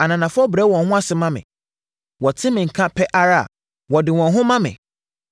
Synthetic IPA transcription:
a˨nã˨nã˨fɔ˦bɾɛ˨˦wɔ̃˨hʊ̃˦a˦sɪ˨mã˦mɪ̰̃˨ | wɔ˨tʰɪ̃˦mɪ̃˨ŋ̩˨kʰã˦pʰɛ˦ʔa˦ɾa˦a̰˨ | wɔ˨dɪ˨wɔ̃˨nɦʊ̃˦mã˦mɪ̰̃˨

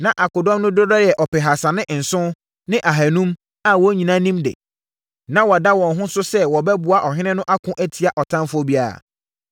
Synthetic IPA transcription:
nã˨ʔa˨kʊ˨dɔ̃˦mnʊ̃˦dʊ˦dɔ˦jɛ˨ʔɔ˨pɪ˨ɦa˨sa˨nɪ̃˦ʔn̩˨sʊ̃˦ | nɪ̃˦ʔa˨ɦæ˨nũ˦m | a˨wɔ˨˦ɲĩ˨nã˦nĩ˦mdɪ̰˨ | nã˦wɔ˨a˨da˦wɔ̃˨nɦʊ̃˦sʊ˦sɛ˦wɔ˨bɛ˦bʊ˨a˨ʔɔ˨ɦɪ̃˦nɪ̃˦nʊ̃˦ʔa˦kʰʊ̃˦ʔæ˦tʰi˨a˨ʔɔ˨tʰã˦mfʊ˦ɔ˦bi˦a˦˨ɾa̰˨

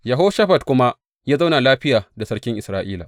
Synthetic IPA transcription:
jɐ˨ɦoː˦ʃa˦ɸɐ˨tkʷʊ˦ma˦ | jaː˦za˦wna˨laː˦ɸɪ˦jaː˨da˨sɐ˦ɽkʲɪ˦ŋʔɪ˨sɾaː˦ʔiː˦la̰˨

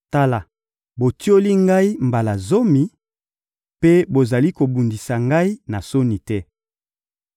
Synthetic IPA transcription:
ta˦la˨ | bo˨ti˦o˦li˦ŋɡa˦i˦mba˨la˨zo˦mi˨ | pe˦bo˨za˨li˦ko˨bu˨ndi˨sa˨ŋɡa˦i˦na˨so˦ni˨tɛ˦

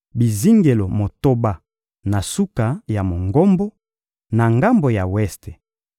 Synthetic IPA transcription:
bi˨zi˦ŋɡe˨lo˨mo˨to˦ba˦ | na˨su˦ka˨ja˨mo˨ŋɡo˦mbo˦ | na˨ŋɡa˦mbo˨ja˨wɛ˦ste˨

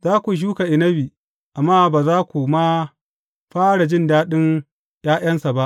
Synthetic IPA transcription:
zaː˦kʷu˨ʃ̬uː˦ka˨ʔɪ˨nɐ˦biː˨ | ʔa˨mːaː˦baː˨zaː˦kʷu˨ma˦ | ɸaː˦ɽa˨d͡ʒɪ˦ndaː˦ɗɪ˦n | j̰aː˦ʔɐ˦nsa˨ba˦ʔ

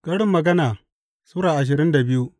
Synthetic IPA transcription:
kʼɐ˦ɽɪ˦mːɐ˨ɡɐ˦naː˨ | suː˦ɽaː˨ʔa˨ʃ̬ɪ˨ɾɪ˦nda˨bɪ˦ju˦ʔ

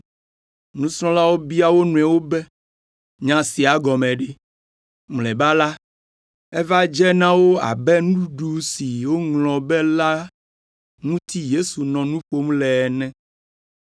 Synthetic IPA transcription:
nũ˦sɾɔ̃˦la˦wo˦bi˦a˦wo˦nũ˨ɛ̃˨wo˦bɛ˦ | ɲã˨si˨a˨ɡɔ˨mɛ̃˨ɖe˨ | mlɛ˨ba˦la˦ | ɛ˦va˦d͡ʒɛ˦nã˦wo˦a̰˨bɛ˦nũ˦u˦ɖu˦si˨wo˦ŋlɔ̃˨bɛ˦la˦ | nũ˦t̪ʰi˦je˦su˨nɔ̃˨nũ˦ɸo˦mlɛ˨nɛ̃˦

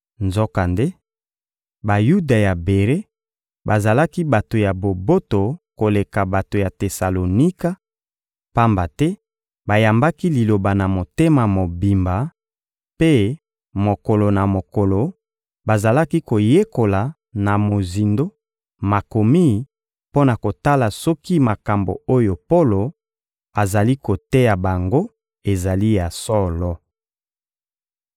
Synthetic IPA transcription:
nzo˦ka˨nde˦ | ba˨ju˦da˨ja˨be˨ʁe˦ | ba˨za˨la˦ki˦ba˨to˨ja˨bo˨bo˦to˨ko˨le˨ka˨ba˨to˨ja˨te˨sa˨lo˨ni˦ka˦ | pa˦mba˨tɛ˦ | ba˨ja˨mba˦ki˦li˨lo˨ba˨na˨mo˨te˦ma˨mo˨bi˨mba˨ | pe˦ | mo˨ko˨lo˨na˨mo˨ko˨lo˨ | ba˨za˨la˦ki˦ko˨je˦ko˨la˨ | na˨mo˨zi˨ndo˦ | ma˨ko˨mi˦ | po˦na˨ko˨ta˦la˨sɔ˦ki˦ma˨ka˨mbo̰˨o˦jo˨po˦lo˨ | a˨za˨li˦ko˨te˦ja˨ba˨ŋɡo˦ | e˨za˨li˦ja˨sɔ˦lɔ˦

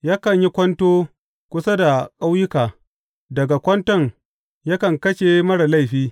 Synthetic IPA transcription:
jaː˦kɐ˨ɲji˦kʷɔ˦ntoː˦ | kʷʊ˦sa˦da˨kʼa˦wjɪ˦kaː˨ | dɐ˨ɡa˨kʷɔ˦ntɔ˦ŋ | ja˦kɐ˨ŋkɐ˦ʃe˨mɐ˦ɽa˨la˦˨jɸiː˦

